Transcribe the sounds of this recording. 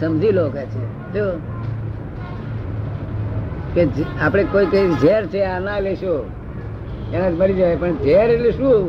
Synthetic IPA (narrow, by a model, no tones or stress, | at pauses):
səmd͡ʒʱilokat͡ʃʰe | t̪o | ked͡ʒapɽ̃ekoiked͡ʒeɾt͡ʃʰeanaleʃo | ɛnat̪iməɾid͡ʒajpəɳd͡ʒeɾetleʃũ